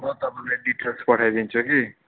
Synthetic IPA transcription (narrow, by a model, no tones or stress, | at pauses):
mʌt̪ʌpalajɖiʈelspʌʈʰajd̪int͡sʰuki